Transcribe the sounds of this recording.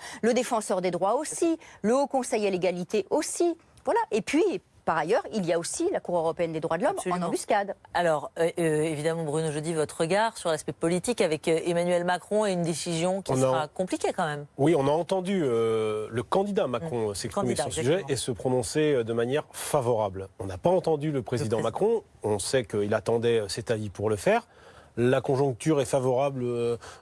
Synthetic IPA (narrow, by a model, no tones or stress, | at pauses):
ləd̪efɑ̃sœʁd̪ed̪ʁwaosiləokɔ̃sɛjeleɡalit̪eʔosi | vwalaʔepɥi | paʁajœʁiljaosilakuʁøʁɔpeɛnd̪ed̪ʁwad̪əlɔmsɑ̃nɑ̃byskad̪alɔʁøøevid̪amɑ̃bʁynoʒød̪ivɔt̪ʁəɡaʁsyʁlaspɛpɔlit̪ikavɛkemanɥɛlmakχɔ̃eynd̪esizjɔ̃kʲɔ̃snaʁakɔ̃plikʲekɑ̃mɛmwiɔ̃naɑ̃t̪ɑ̃d̪yøləkɑ̃d̪id̪amakkχɔ̃øsɛkspkχimeɔ̃syʒɛesəpχɔnɔ̃seød̪əmanjɛʁfavɔʁablɔ̃napaɑ̃t̪ɑ̃d̪yləpχezid̪ɑ̃makχɔ̃ | ɔ̃sɛkəilat̪ɑ̃d̪ɛøsɛt̪avipuʁləfɛʁ | lakɔ̃ʒɔ̃k̚t̪yʁɛfavɔʁabl